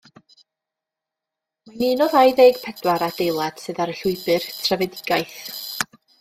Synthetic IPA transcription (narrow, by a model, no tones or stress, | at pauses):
maniːnɔðajðejɡ̥pʰɛd̥waɾad̥ejlˠad̥sɨðaɾəɬʊɨbɨrtʰrɛvɛdɪɡ̥ajθ